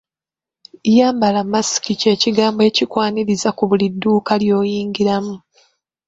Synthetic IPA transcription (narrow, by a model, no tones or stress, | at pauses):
jaːmbalamːasi̥kice̞ːciɡaːmboe̞ːcikwaːniɾizakuβulidːuːkaljo̞ːjiːŋɡiɾamu